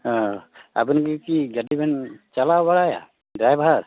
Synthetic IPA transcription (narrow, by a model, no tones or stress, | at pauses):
ɔa̰bunkɯkiɡadibɛnt͡ʃalawaɽaja̰ | dɾajbʱaɾ